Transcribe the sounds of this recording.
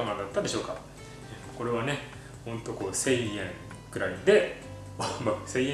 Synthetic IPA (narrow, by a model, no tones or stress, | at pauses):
amad̪at̪ːad̪e̞ɕo̞ːka | e | ko̞ɾe̞β̞ane̞ | hõ̞nt̪o̞ko̞ːse̞iẽ̞ŋ | kɯ̟ɾaid̪e̞ | amakse̞iẽ